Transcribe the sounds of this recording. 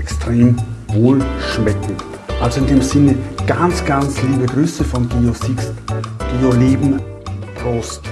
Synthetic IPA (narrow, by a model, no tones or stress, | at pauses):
ɛkstʁ̥eːmvoːlʃmɛkŋ̩t | ʔalzoɪndeːmzɪnəɡ̥ant͡sɡ̥ant͡sliːbəɡʁyːsəfɔnɡiosisɡ̥iːoleːbm̩ | pʁost